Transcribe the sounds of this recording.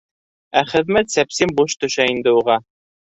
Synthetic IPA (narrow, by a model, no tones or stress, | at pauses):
æχɘ̆ðmæt̪sæpsimbuʃt̪ɵ̆ʃæind̪ɘuʁɑ